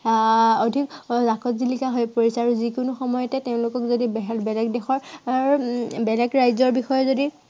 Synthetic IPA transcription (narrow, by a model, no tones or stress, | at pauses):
odʱikzakɔtzilikaɦojpoɹisɛaɹuzikʊnʊxɔmɔjɔtɛteʊ̃lʊkɔkzodibɛɦɛbɛlɛk̚dɛxɔɹaɹbɛlɛkɹajzɔɹbixɔjɔzodi